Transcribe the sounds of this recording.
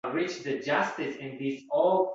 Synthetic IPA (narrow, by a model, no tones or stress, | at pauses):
ɹɪt͡ʃd̪ɨd͡ʒʌstɪsɪ̃nðisɔl